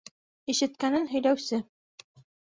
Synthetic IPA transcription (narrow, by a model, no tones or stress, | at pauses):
iʃɘ̆t̪̚kænɘnɦɵ̆jlæwsɘ